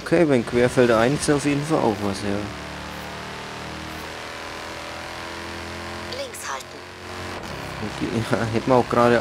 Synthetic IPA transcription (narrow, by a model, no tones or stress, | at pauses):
okʰeːvaɪnkʰv̥eːɐfɛltaɪnɪçsaʊfjeːdn̩fa̰lʔa̰ʊxvasjaː | lɪŋkshaltn̩ | okːaɦɛtmɐaʊxɡ̥ʁaːdə